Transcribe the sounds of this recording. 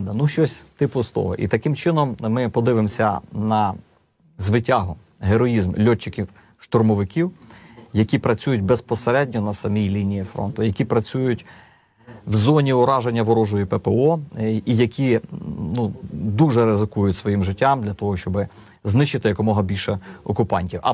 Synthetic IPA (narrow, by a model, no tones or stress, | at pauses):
d̪ɐnuʃt͡ʃɔsʲt̪ɪpʊst̪ɔ̰ɦɔ̰ʔḭt̪ɐkɪmt͡ʃɪnɔmmɪpɔd̪ɪʋɪmsʲɐ̰nɐ | zʋɪtʲaɦʊ | ɦeɾɔjizmlʲɔt͡ʃːɪkʲiw | ʃt̪ɔrmɔʋɪkʲiwjɐkʲipɾɐt͡sʲujʊtʲbɛspɔseɾɛdʲnʲɔnɐsɐmʲijlʲinʲijifɾɔ̰nt̪ʊjɐkʲipɾɐt͡sʲujʊtʲ | wzɔnʲiʊɾɑʒenʲːɐʋɔɾɔʒʊjipɛpeɔijɐkʲinud̪uʒɛɾɪzɪkujʊtʲsʋɔjimʒɪtʲːɑmd̪lʲɐt̪ɔɦɔʃt͡ʃɔbɪ | znɪʃt͡ʃɪt̪ɪjɐkɔmɔɦɐbʲilʲʃɛɔkʊpɑnʲtʲiwɐ̰